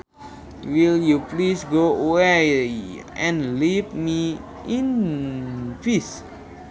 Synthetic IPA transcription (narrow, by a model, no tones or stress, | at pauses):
wiljuplisɡoowe | ɛ̃nlipmi | ĩn | fis